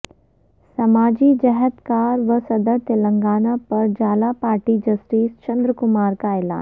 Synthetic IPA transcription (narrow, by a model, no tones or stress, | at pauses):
sɐmaːd͡ʒid͡ʒɛɦət̪kaːɾʋɐsɐd̪əɾt̪elə̃ŋɡaːnapɐɾd͡ʒaːlapaːɾʈid͡ʒɐsʈiːst͡ʃɐ̃nd̪ɾəkʊmaːɾkaɛːla̰ːn